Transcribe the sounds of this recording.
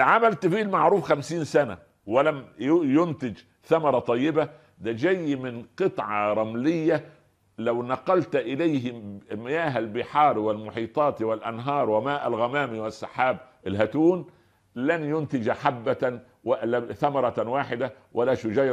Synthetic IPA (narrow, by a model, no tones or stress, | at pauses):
ʕamalt̪fiːlmaʕɾuːfxamsiːnsana̰ | wɪlamjʊnt̪ɪd͡ʒ | θamɑɾˤɑt̪ˤɑjːɪba | d̪æd͡ʒajːmɪnqɨt̪ˤʕɑɾˤɑmlɪjːa | lawnɑqːɑlt̪ʔɪlajɦmɪjaːɦalbɪħɑːɾwɪlmʊħiːt̪ˤɑːt̪wɪlʔanɦɑːɾˤwɪmaːʔalɣæmaːmiwɪsːaħaːbʔɪlɦat̪uːn | lanjʊnt̪ɪd͡ʒaħabːa | wlaθamɑɾˤɑwaːħɪd̪a | wʔalaʃʊd͡ʒæj